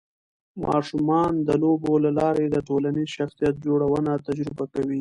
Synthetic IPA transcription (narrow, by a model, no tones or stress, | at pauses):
mɑ̰ʃumɑnd̪əlobolalɑɾed̪əʈolanizʃaxsijat̪̚d͡ʒoɽawənat̪ad͡ʒɾɪbakawi